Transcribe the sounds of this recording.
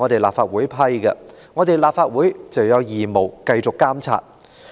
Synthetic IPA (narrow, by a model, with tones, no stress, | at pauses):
ɔː˨˧t̪e˨jlaː˨pfaː˧t̚wuː˨˥jpʰɐ˥jkɐ˧ | ŋɔː˨˧t̪e˨jlaː˨p̚faː˧t̚wuː˨˥jt͡sɐ˨˩wjɐ˨˧wjiː˨mo˨˩wkɐ˧jt͡sʊ˨kːaː˥mt͡sʰa̰ː˧t̚